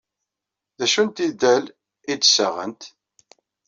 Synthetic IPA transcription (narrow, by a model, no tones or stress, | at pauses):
ðæʃunt̪id̪æl | id̪səʁə̰nt̪